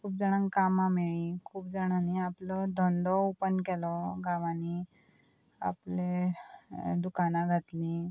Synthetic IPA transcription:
kʰuːpd͡zaɽ̃ãŋkamameɭĩkʰuːp̚d͡zaɽ̃aniaplɔd̪ʱɔnd̪ɔupənkɛlɔɡaʋãni | a̰ple | d̪ukanaɡʱat̪lĩ

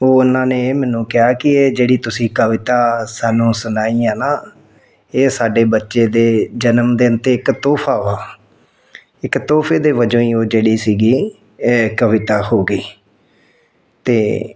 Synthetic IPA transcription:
oːʊnãːneːeːmɛːnũːkɪɦaːkɪeːd͡ʒeːɽiːt̪ʊsĩːkəʋɪt̪aːsaːnũːsʊnaːiːaːnaː | eːsaːɖeːbətːʃeːd̪eːd͡ʒənəmd̪eːʊnt̪eːɪkt̪oːpʰaːʋaː | ɪkt̪oːpʰeːd̪eːʋəd͡ʒõːĩːoːd͡ʒeːɽiːsiːɡiː | kəʋɪt̪aːhoːɡəiː | t̪eː

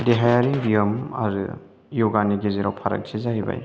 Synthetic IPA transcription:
deɦajaɾibijomɐ̰ɾɯ̰ | jɔɡaniɡeziɾawpʰaɾɐ̰k̚sʰizahiba̰j

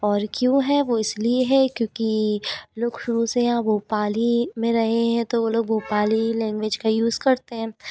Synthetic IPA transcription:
ɔːɾkjõːɦɛʋoɪslieɦɛkjõːkiloːɡʃʊɾusejãbʱoːpaːlimẽɾɐɦeɦɛ̃t̪oʋoloːɡbʱoːpaːlilɛ̃ːŋɡʋed͡ʒkajuːzkɐɾt̪eɦɛ̃ː

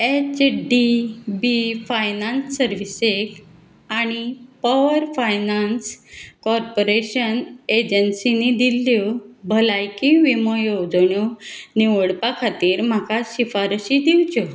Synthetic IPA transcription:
et͡ɕɖibifajnansːəɾʋisek | aɽ̃ipɔʋəɾfajnanskɔɾpoɾeɕəned͡ʑənsinid̪iljobʱəlajkiʋiməjowd͡zɳjɔniʋəɽpakʰat̪iːɾm̤akaɕifaɾɕid̪iwt͡ɕɔ

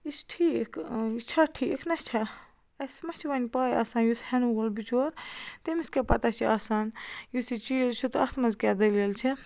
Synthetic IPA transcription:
isʈʰiːkʰit͡ʃʰaʈʰiːkʰnɐt͡ʃʰa | ɐsmɐt͡ʃʰiʋɐnʲpaːja̰ːsaːnjushenuɡolbit͡ʃoːɾt̪emiskepɐt̪at͡ʃʰiasaːnjusit͡ʃizt͡ʃʰut̪ɐt̪ʰmɐnzkɛːd̪ɐleːlt͡ʃʰi

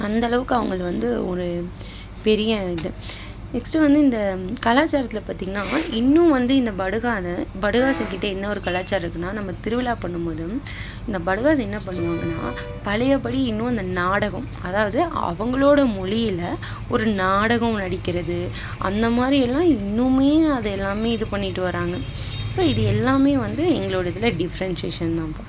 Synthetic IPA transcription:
ɐnd̪ɐlɐʋɯkːɯɐʋɐŋɡɐɭʋɐnd̪ɯɔɾɯ | pɛɾɪjɐɪðɯ | nɛksʈɾɐʋɐnd̪ɯɪnd̪ɐkɐlaːt͡ʃːaːɾɐt̪ɪlɐpaːɾt̪iːŋɡɐnaːɪnːʊ̃ʋɐnd̪ɯɪnd̪ɐbɐɽɯɣaːnɐ̃bɐɽɯɣaːsɐ̃kɪʈːɐɛnːɐɔɾɯkɐlaːt͡ʃːaːɾɾɯkːɯnːaːnɐmːɐt̪ɪɾɯʋɪlaːpɐɳːɯmpoːðɯm | ɪnd̪ɐbɐɽɯɣaːsɐ̃ɛnːɐpɐɳːɯʋaːŋɡɐnːa̰ː | pɐlɐjɐpːɐɽiɪnːʊ̃ɐnd̪ɐnaːɽɐɣɐ̃m | ɐðaːʋɐðɯɐ̰ʋɐŋɡɐɭoːɽɐmɔɭɪjɪlɐ | ɔɾɯnaːɽɐɣɐ̃mnɐɽɪkːɪɾɐðɯ | ʔɐ̰nd̪ɐmaːd̪ɾiɛlːãːɪnːɯmeːɐðɯɛlːaːmeːɪðɯpɐɳːɪʈːɯʋɐɾaːŋɡɐ | soːɪðɯɛlːaːmeːʋɐnd̪ɯɛŋɡɐɭoːɽɐt̪ːɪlɐɖɪfɐɾɐnseːʂɐnt̪ãːpo

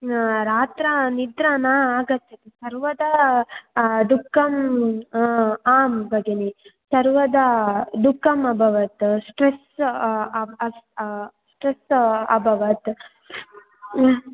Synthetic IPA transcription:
ɾaːt̪ɾɐnid̪ɾaːnɐaːɡɐt̪ʰːɐt̪esɐɾʋɐd̪ɐ | d̪ukʰːɐm | aːmbɐɡenisɐɾʋɐd̪ɐd̪ukʰːɐmɐbʱɐʋɐt̪sʈɾes | ɐssʈɾesɐbʱɐʋɐt̪

